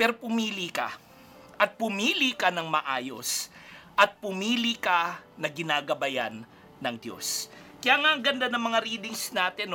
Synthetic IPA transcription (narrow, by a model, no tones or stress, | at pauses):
pɛɾopʊmiːlika̰ | ʔɐt̪̚pʊmiːlikanɐŋmɐʔaːjo̰sʔɐt̪̚pʊmiːlikanɐɡɪnaːɡɐbɐjanː | ɐŋd̪jo̞̰s | kɐjaːŋaʔɐŋɡɐnd̪anɐŋmɐŋaɾiːd̪ɪŋsnaːt̪ɛn